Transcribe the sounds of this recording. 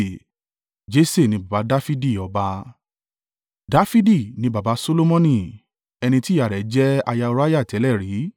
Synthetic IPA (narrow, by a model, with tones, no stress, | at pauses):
d͡ʒe˦se˦˨nĩ˧ba˨ba˨˧˦da˦fi˦di˦˨ɔ˨ba˧ | da˦fi˦di˦˨nĩ˧ba˨ba˨˦so˦lo˦mɔ̃˦nĩ˦˨ | ɛ˧nĩ˧ti˦a˨ɾɛ˨˦d͡ʒɛ˦a˧ja˧o˧ɾa˦ja˦˨tɛ˨˦lɛ˦˨ɾi˨˦